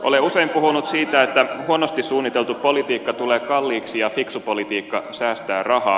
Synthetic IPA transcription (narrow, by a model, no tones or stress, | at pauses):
ʔoleuseimpuhunut̪siːt̪æet̪ːæhuonost̪issuːnːit̪elt̪upolit̪iːkːɑt̪uleːkɑlːiːksijɑfiksupolit̪iːkːɑsæːst̪æːrɑhɑ̰ː